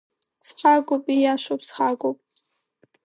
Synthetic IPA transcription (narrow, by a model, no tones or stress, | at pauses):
sħaɡʷʼopʼijaʃʷopsχaɡʷopʼ